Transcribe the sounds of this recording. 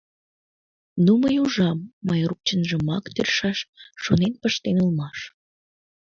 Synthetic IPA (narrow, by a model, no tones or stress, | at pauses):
numəjuʒɑmːəjruk̚t͡ɕənʒəmɑkt̪erʃɑʃʃonenpəʃt̪enulmɑʃ